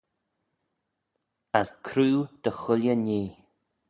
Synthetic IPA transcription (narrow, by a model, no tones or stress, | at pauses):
əskʰɾuːd̪̥əxʊljəniː